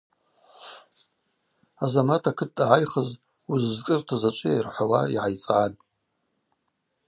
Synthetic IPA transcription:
azamatʰakʰɨtʼːaʕajχəz | uzzkʼɨrtʰazat͡ʃʷʼɪjarħʷawaiʕajt͡sʼʕatʼ

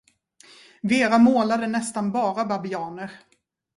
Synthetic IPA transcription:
veːɾamoːlad̪ənɛst̪anbɑːɾababɪɑːnəɾ

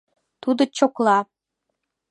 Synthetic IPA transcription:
t̪ud̪ot͡ɕoklɑ

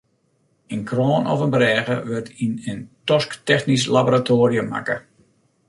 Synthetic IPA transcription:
ənkroːnʔɔ̰fənbrɛːɣə̰ʋɪrtʰinəntɔsktɛxnis̬laboratʰoːɾiəma̰kə

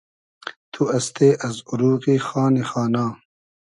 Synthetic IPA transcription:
t̪ʰuɐst̪eːʔɐzuɾuːqixaːnexaːnaː

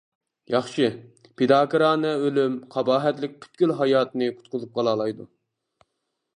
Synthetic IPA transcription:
jɑχʃɨ | pʰed̪ɑːkʰɨɾɑːnɨølymqʰɑbɑːɦɛt̪lɪk̚ʲkʲʰy̥t̪̚kʲylɦɑjɑːt̪ɨnɨqʰʊ̥t̪̚qʊzɨp̚qʰɑlˠɑːlˠɑjd̪u

